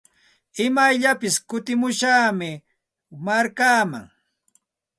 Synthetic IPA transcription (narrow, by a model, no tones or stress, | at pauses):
ɪmajʎapɪskʊt̪ɪmʊʃaːmɪ | maɾkaːma̰ŋ